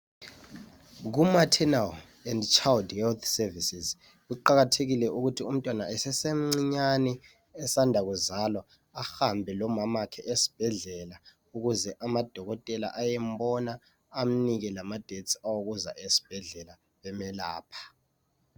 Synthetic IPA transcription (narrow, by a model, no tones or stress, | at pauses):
ɣ̬umatʰɛnal | ɛndt͡ʃʰʼaldhɛlt̪ʰsɛvisiz | ɣuǃaɣatʰeɣilɛʔuɣutʰium̩tʼwana̰ʔɛsɛsem̩ŋ͡ǀiɲanɛ | ɛsandʱaɣuzalwɔ | axambʱɛlɔmamakʰɛʔesi̥b̥ʱɛɮɛla | uɣuzɛʔamad̥ʱɔɣɔtʼɛla̰ʔajɛm̩bɔnaː | m̩niɣɛlamad̥ʱet͡sʼawoɣuza̰ʔesi̥b̥ʱɛɮɛla | βɛmɛla̰ːpʰḁ